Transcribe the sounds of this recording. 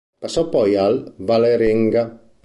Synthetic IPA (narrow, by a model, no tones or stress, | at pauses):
pasɔpɔjalvaleɾeŋɡa